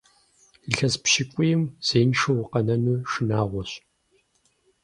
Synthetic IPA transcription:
iɬɐzpʃɪkʷʼʊjɪmz̥eːnʂowqɐnɐnuːʃɪnaːʁʷɔɕ

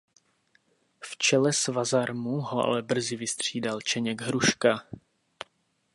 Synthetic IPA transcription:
ft͡ʃɛlɛsvazaɾmuɦoʔa̰lɛbr̩zɪvɪst̪r̝̥iːdalt͡ʃɛɲɛɡɦɾuʃka

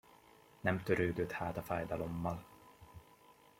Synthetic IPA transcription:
nɛmt̪əɾʉːd̪ʉt̪hæːt̪afajd̪alɔmːal

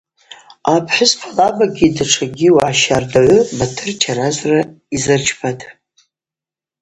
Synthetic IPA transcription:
apʰħʊzpʰalavaɡʲidaʈ͡ʂʰaɡʲiwaʕaʃardaʕʷʊbatʰɨrt͡ʃʰarazra | izɨrt͡ʃʰpʰatʰʼ

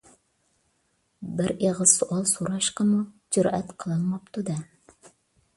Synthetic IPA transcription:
bɪɾeʁəsuʔɑlˠsuɾɑʃqəmud͡ʒʊɾʔɛt̪qʰəlˠɨlˠmɑp̚t̪ʰud̪ɛ

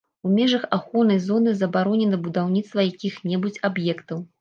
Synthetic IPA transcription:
umʲɛʐɐxaxɔnɐjzɔnɨzɐbaɾɔnʲɛnɐbud̪awnʲit̪st̪vɐjakʲixnʲɛbut͡sʲabjɛkt̪ɐw

